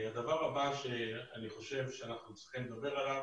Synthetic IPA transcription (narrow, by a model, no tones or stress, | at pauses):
ad̪avaʁabaʃe̞aniχo̞ʃe̞vʃeanaχnut͡sʁi̥χimled̪abe̞ʁalav